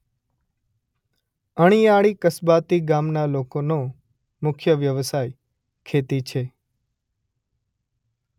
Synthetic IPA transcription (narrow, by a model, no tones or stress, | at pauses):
əɽ̃iaɭikəsbat̪iɡamnalokono | mʊkʰjəʋjəʋsaj | kʰet̪it͡ʃʰe